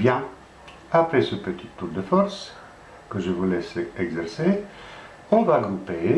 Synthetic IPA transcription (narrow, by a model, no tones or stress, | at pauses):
bjɛ̃ | apɾesəpət̪it̪ːuɾd̪əfɔɾs | kəʒəvulɛsɛɡzɛɾse | ɔ̃varɔ̃t̪e